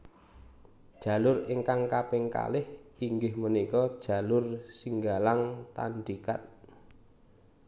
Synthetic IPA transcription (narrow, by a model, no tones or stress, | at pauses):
d̥ʒ̥ä̤lʊrɪŋkaŋkapɪŋka̰lɪhiŋɡɪhmənikɔd̥ʒ̥a̤lʊrsiŋɡalaŋt̪a̰nɖ̪ikat̪̚